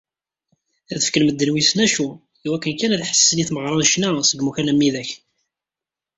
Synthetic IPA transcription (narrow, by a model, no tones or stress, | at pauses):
æðəfkəlməd̪ːənwisnæʃu | iwækːənkænæðħə̥sːəniθməʁɾˤɑnʃnæsəɡmuçænæmːiðæç